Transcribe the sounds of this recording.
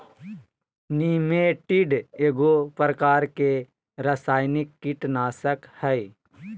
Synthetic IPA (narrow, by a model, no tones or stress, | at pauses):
niːmeʈiɖeːɡopɾəkaːɾke | ɾəsaːjnɪkːɪʈnaːsəkhɛj